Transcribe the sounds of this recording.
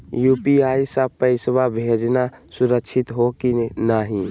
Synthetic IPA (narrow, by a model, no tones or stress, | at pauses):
jupiaisəpəɪsbabʱed͡ʒnasuɾəkʃʰit̪ɦokinaɦĩ